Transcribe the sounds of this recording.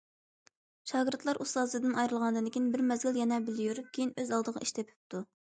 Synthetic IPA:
ʃɑːɡɨɾt̪ʰlˠɑɾʔust̪ɑːzɨd̪ɨnɑjɾɨlˠʁɑnɨd̪ɨnkʲijinbɪɾmɛzɡʲiljɛnɛbɪlɪjuɾkʲʰejinøzɑlˠd̪əʁɑ̰ʔiʃt̪ʰɛpʰy̥p̚t̪ʰu

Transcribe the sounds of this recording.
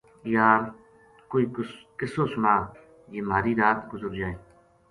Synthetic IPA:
jaːɾ | koːiːkɪsoːsʊnaː | jeːmaːɾiːɾaːt̪ɡʊzəɾd͡ʒaːeː

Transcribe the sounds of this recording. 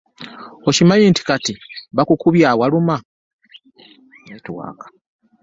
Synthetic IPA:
ocimajiːnti̥katiβakukuβjaːwaluma | etwa̰ːkḁ

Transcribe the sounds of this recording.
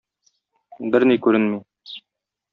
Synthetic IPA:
bɘɾnikʉɾɘnmi

